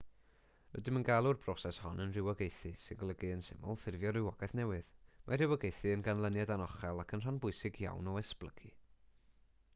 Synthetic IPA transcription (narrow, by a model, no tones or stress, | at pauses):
ə̰dɪmənɡalˠʊrbrɔsɛshɔnənrɪwɔɡejθɨsɪnɡlˠəɡɨənsɪ̰mʊ̰lˠθɪrvjɔrɪwɔɡɛθnɛwɨð̥mʔarɪwɔɡejθɨənɡanlˠənjadanɔχɛlˠakʰənr̥anbʊɨsɪɡja̰wnɔɛsplˠəɡi